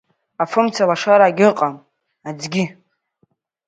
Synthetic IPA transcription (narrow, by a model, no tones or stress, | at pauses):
afɨmt͡sʰalaʂaɾaːɡʲɪqʼam | ad͡zɡʲi